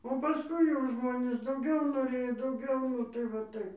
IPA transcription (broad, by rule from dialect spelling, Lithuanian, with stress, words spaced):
oː pɐˈskʊɪ jɛʊ ˈʒmoːnʲeːs dɐʊˈɡʲɛʊ noːˈrʲeːjoː dɐʊˈɡʲɛʊ nʊ ˈtɐɪ ʋɐ ˈtɐɪp